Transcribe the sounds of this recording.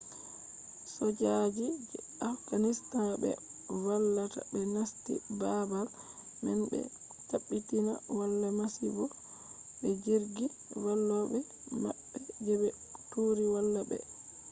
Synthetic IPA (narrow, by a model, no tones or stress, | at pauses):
sɔd͡ʒad͡ʒid͡ʒɛ | afɡanistanbɛ̰walːata̰bɛnastḭbabal | mɛnbɛ̰ | taɓːitina̰walːamasibɔ | ɓɛd͡ʒiɾɡi | walːɔbɛ | ma̰ɓːɛd͡ʒɛbɛ | tuɾiwalːabɛ̰